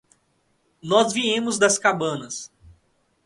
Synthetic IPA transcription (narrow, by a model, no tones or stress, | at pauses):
nɔzviẽmʊzd̪ɐskabɐ̃nɐs